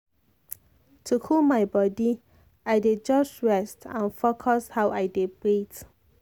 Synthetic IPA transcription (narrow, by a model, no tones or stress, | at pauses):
tʰukʰulmajbɔdi | ajded͡ʒɔsɹɛstã̰nfokʰɔshawajdepɹit